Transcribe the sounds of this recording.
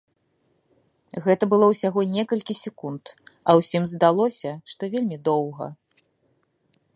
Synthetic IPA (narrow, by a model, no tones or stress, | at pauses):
ɣɛt̪ɐbɨlˠɔwsʲaɣɔnʲɛkɐlʲkʲisʲɛkunt̪ɐwsʲimzd̪alˠɔsʲɐʂt̪ɔvʲelʲmʲid̪ɔwɣɐ̰